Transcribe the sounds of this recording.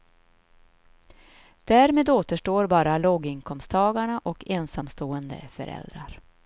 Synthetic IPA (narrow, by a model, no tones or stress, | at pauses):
d̪̥æːɾmeːd̪oːt̪əʂʈoːɾbɑːɾaloːɡɪŋkʰɔmst̪ʰɑːɡaɳaʔɔkʰeːnsamst̪oːənd̪ə̰fœ̰ɾʔɛ̰ld̪ɾaɾ